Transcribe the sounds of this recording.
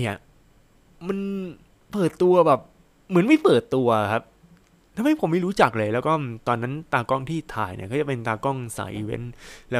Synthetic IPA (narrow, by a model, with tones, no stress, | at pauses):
ja˨˩ | ma˧n | pɤː˨˩t̪ːu˧ɐbɛː˨˩p̚ | mɯ˩˦ənma˥˩jpɤː˨˩t̪ːu˧ɐ˨˩kʰa˦˥p̚ | t̪ʰa˧mha˥˩jpʰo˩˦mːa˥˩jɾuː˦˥t͡ɕa˨˩k̚lɤː˧jlɛː˦˥wkɔː˥˩t̪ɔː˧nːa˦˥nt̪aː˧kɔ˥˩ŋt̪ʰiː˥˩t̪ʰaː˨˧˩jnḭ˧˩kʰaː˥˩t͡ɕa˨˩pe˧nt̪aː˧kɔ˥˩ŋsa̰ː˨˩˦jʔi˧wḛ˦˥nlɛː˦˥